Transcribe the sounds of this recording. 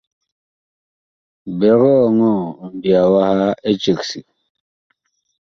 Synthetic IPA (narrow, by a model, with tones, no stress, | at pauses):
be˨ɣɔ˦˨ŋo˦˨m˨bi˨a˨wa˦ha˦e˦t͡ʃe˨ksi˨